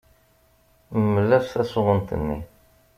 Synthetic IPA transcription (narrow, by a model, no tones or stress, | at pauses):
mːəlːæɾθæsʊʁənt̪ə̰nːḭ